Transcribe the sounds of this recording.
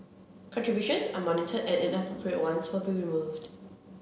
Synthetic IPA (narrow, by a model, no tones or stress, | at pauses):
kʰɔ̃ntɹ̥ibjuʃə̃nsamɔnɪtʰədɛʔɛ̃nafɔpʰɹəʔwãnswɪlˠbiɹimuvd